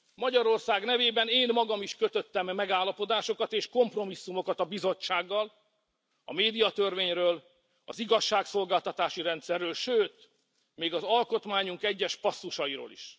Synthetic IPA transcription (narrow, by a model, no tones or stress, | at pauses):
mɒɟɒɾo̞rsaːɡnɛveːbɛneːnmɒɡɒmiʃkøt̪øt̪ːɛmːɛɡaːlːɒpo̞d̪aːʃo̞kɒt̪eːʃko̞mpro̞misːumo̞kɒt̪ɒbizo̞t͡ʃt͡ʃːaːɡːɒl | ɒ̰meːd̪ijɒt̪ø̞rveːɲrøːl | ɒ̰ziɡɒʃːaːkso̞lɡaːlt̪ɒt̪aːʃiɾɛnt̪sɛrːøːlʃøːt̪ | meːɡɒzɒlko̞t̪maːɲuŋkɛɟːɛʃpɒsːuʃɒiɾo̰ːlḭʃ